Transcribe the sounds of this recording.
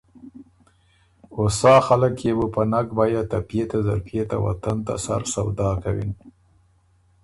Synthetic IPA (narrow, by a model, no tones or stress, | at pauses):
osɑxaləkjebəpənakbɑjat̪apjet̪azaɾpjet̪awa̰t̪ant̪a̰sa̰ɾsawd̪ɑkawḭn